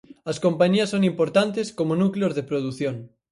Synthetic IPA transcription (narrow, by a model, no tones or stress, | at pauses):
ɐskompaɲiɐsːoŋimpoɾt̪ant̪eskomonukleozðepɾoðuθjoŋ